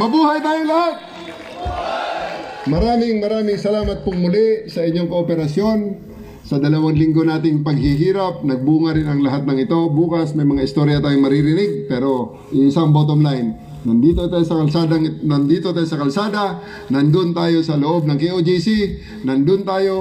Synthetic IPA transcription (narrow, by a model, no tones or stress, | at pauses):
mɐbuːhɐjt̪aːjolɐhat̪̚ | mɐɾaːmɪŋmɐɾaːmɪŋsɐlaːmɐt̪̚pʊŋmʊlɪsɐɪɲːoŋkoʔopɛɾɐsjo̞n | sɐd̪ɐlɐwanlɪŋɡo̞naːt̪ɪŋpɐɡ̚hɪɦiːɾɐp̚nɐɡ̚buːŋɐɾɪnɐŋlɐɦat̪̚nɐŋɪt̪o̞buːkɐsmɐjmɐŋaʔɪst̪oɾjɐt̪aːjoŋmɐɾiɾɪnɪɡ̚pɛːɾo̞ | ʔɪɪsaɐŋbot̪ʔonlajnː | ɐnd̪iːt̪ot̪aːjsɐkɐlsaːd̪ɐŋnɐnd̪iːt̪o̞t̪aːjosɐkɐlsaːd̪ɐ | nɐnd̪ʊnt̪aːjo̞sɐloʔo̞b̚nɐŋkiʔod͡ʒisi | nɐnd̪ʊnt̪aːjo̞